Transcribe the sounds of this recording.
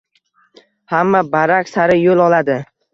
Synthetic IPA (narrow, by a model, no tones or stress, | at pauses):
hamːabaɾakʲsaɾɪjolˠɒlad̪ɪ